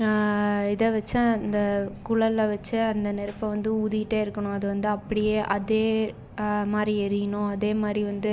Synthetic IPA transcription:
ɪðɐʋɐt͡ʃːaɐnd̪ɐkʊɭɐlːɐʋɐt͡ʃːɯɐnd̪ɐnɛɾɯpːɐ̃ʋɐnd̪ɯuːðɪjɪʈːeːɪɾɯkːɐɳʊ̃ɐðɯʋɐnd̪ɯɐpːɐɽɪjeːʔɐðeː | maːd̪ɾiɛɾɪjɐɳʊ̃ɐðeːmaːd̪ɾiʋɐnd̪ɯ

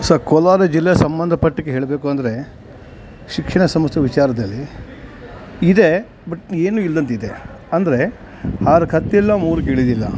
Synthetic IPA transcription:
sɐkɔlaːɾɐd͡ʒilːejɐsɐmbɐnd̪ʱɐpɐʈːikːeɦe̞ːɭbe̞ːkuɐnd̪ɐɾe̞ | ʃikʂɐɳɐsɐmɐst̪ɐʋit͡ʃaːɾɐd̪ɐlːi | id̪e | bɐʈeːnuːild̪ɐnt̪id̪e | ɐnd̪ɐɾe̞ | haːɾɐkʰɐt̪ːilːɐmuːɾukeːɭid̪ilːɐ̰

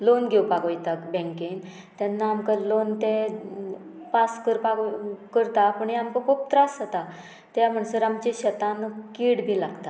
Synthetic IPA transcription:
lonɡʱewpakəjt̪abɛ̃ŋken | t̪janːaːmkəlont̪ẽ | paskəɾpakkəɾt̪apəɳjamkəkup̚t̪ɾasət̪a | t̪jam̤əɳsəɾamt͡ɕeɕət̪ankiɽbʱilaɡt̪a

